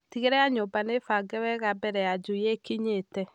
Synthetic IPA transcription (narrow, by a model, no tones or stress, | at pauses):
tiɣeɾɛaɲobanefaɡɛwɛɣabɛɾɛjad͡ʒuijekiɲetɛ